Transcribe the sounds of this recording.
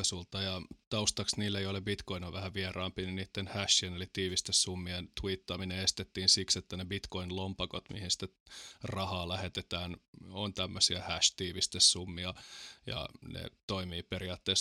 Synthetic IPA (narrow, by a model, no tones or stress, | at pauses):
sult̪ɑjɑt̪ɑust̪ɑksniːlːejolebbit̪koinoʋʋæhæʋʋierɑːmpininiːt̪ːenhæʃːienelit̪iːʋist̪essumːient̪uiːt̪ːɑmineest̪et̪ːiːnsikset̪ːænebit̪koinlompɑkot̪mḭhinsi̥t̪ːe | rɑhɑːlæhet̪et̪æːnont̪æmːøsiæhæʃt̪iːʋist̪essumːiɑjɑ̰nḛt̪oimiːpeɾiɑːt̪ːeːs